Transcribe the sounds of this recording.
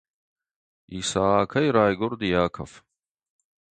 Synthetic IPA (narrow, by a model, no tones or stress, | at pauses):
iːsaːkʰɐjɾaːjɡʊɾd̪ijaːkʰɐ̰f